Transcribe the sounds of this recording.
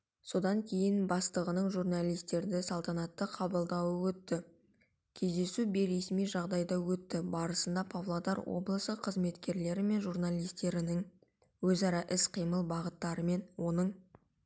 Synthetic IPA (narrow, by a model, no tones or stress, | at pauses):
so̞d̪ɑŋkʲʰe̞jɪnbɑst̪əʁənəɴʒurnalˠijst̪e̞ɾd̪ɪsɑlˠt̪ɑnɑt̪ːəqʰɑbəlˠd̪ɑwəwɵt̪ːɪ | kʲʰe̞zd̪e̞subeɾe̞smijʒɑʁd̪ɑjd̪ɑwɵt̪ːɪbɑɾəsənd̪ɑpʰavlˠod̪ɑɾwo̰blˠəsəqʰəzme̞t̪kʲe̞ɾle̞ɾɪme̞nʒurnalʲˠijst̪e̞ɾɪnɪŋ | wɵzɑɾɑʔɪsqʰijməlˠbɑʁət̪ːɑɾəme̞nwo̞nəɴ